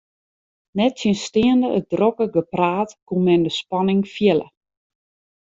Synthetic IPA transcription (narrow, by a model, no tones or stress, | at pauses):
nɛtsinstɪəndəʔət̚drokəɡəpraːtkumɛndəspɑnɪŋfjɛlə̰